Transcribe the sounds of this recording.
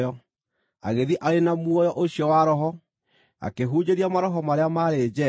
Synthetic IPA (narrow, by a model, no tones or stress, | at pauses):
jɔ | a̰ɣeðiʔaɾenamwɔjɔʔoɕjɔwaɾɔɦɔ | a̰keɦuːɲeɾiamaɾɔɦɔmaɾeamaɾed͡ʒɛ